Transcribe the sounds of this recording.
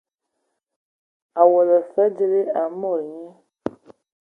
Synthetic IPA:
a˨wɔ˨lə˨fɛ˦d͡ʒe˨le˦a˨mɔ̃˦˨lɲɛ̃˦

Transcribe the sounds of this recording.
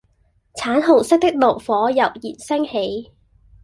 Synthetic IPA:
t͡sʰaː˨˥nɦo˨˩wsɪ˥k̚t̪ɪ˥k̚lo˨˩wfɔː˨˥jɐ˨˩wjiː˨˩nsɪ˥ŋhe˨˥j

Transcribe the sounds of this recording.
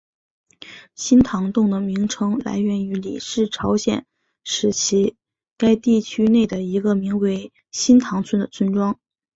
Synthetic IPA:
ɕi˥nt̪ʰɑ˧˥ŋt̪ʊ˥˩ŋd̪ə˩mi˧˥ŋʈ͡ʂʰɤ˧˥ŋla̰˧˥ɪɥɛ˧˥ny˧˥lḭ˨˩ʂɻ̩˥˩ʈ͡ʂʰɑ˧˥ʊɕjɛ̰˨˩˦n | ʂɻ̩˧˩t͡ɕʰi˧˥ | ka˥ɪt̪i˥˩t͡ɕʰy˥ne˥˩ɪd̪ə˩i˧˥ɡə˧mi˧˥ŋwe˧˥ɪ | ɕi˥nt̪ʰɑ˧˥ŋt͡sʰwə˥nd̪ə˨˩t͡sʰwə˥nʈ͡ʂwɑ˥ŋ

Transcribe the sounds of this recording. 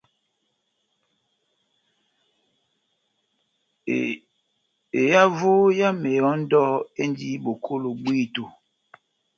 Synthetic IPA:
e˨ja˦vo˦ja˦me˨jɔ˨˦n̩˦dɔ˦e˦n˦di˦bo˨kʰo˦lo˨ɓwi˦˨to˨

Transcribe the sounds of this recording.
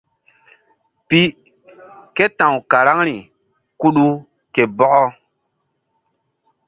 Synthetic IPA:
pi˦ | ke˦tã˨wka˨ɾa˦ŋɾi˨ | ku˦ɗu˦ | ke˨bɔ˦ʔɔ˦

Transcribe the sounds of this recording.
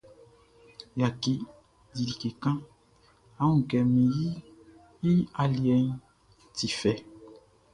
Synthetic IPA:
ja˨ki˨ | di˨li˨ke˨kã˦ | a˦ũ˦˨kɛ˨mĩ˨ji˦ | ji˦a˨li˨ɛ˨n | ti˨fɛ˨

